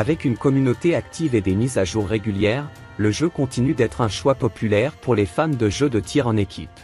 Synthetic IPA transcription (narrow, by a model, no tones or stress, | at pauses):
avɛkynkɔmynot̪eak̚t̪ʰived̪emizaʒuʁːeɡʲyljɛːʁ | ləʒøkɔ̃t̪inyd̪ɛt̪χɛ̃ʃwapɔpʰylɛʁpuʁlefamd̪əʒød̪ət̪ʰiʁɑ̃nekʲʰḭp